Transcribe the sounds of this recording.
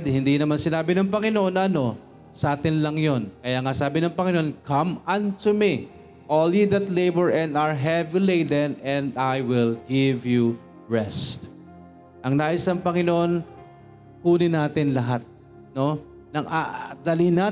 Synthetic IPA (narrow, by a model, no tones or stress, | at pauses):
d̪hɪnd̪inɐmansɪnaːbɪnɐŋpɐŋɪnoʔonʔɐɐno̞ | sɐʔaːt̪ɪnlɐŋjonkɐjaŋasaːbɪnɐŋpɐŋɪnoʔonkʰɐmʔɐ̃nt̪umi | ʔoljud̪ɐt̪lejbɹʔɛ̃nd̪aɹɦɛvjuleɪd̪ɛnɛ̃nd̪ajwɪlɡɪvju | ɹɛst̪ | ʔɐŋnaʔɪsɐŋpɐŋɪnoʔo̞n | puːnɪnaːt̪ɪnlɐɦat̪̚ | no̞ | nɐŋʔad̪ɐlina